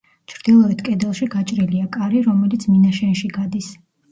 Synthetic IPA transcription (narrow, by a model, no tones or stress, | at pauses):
t͡ʃʰɾd̪̥ilˠɔɛt̪ʰkʼɛd̪ɛlˠʃiɡat͡ʃʼɾiliakʼaɾiɾɔmɛlit̪sʰminaʃɛnʃiɡad̪is